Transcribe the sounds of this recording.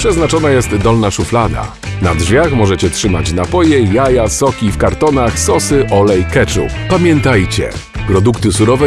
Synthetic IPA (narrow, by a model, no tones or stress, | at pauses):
pʂɛznat͡ʂɔnajɛst̪d̪ɔlnaʂuflad̪a̰ | nadʐvʲjaxmɔʐɛt͡ɕɛtʂɘmat͡ɕnapɔjɛjajasɔkʲifkaɾt̪ɔnaxsɔsɘʔɔlɛjkɛt͡ʂṵpamʲjɛnt̪ajt͡ɕɛ̰pɾɔd̪ukt̪ɘsuɾɔvɛ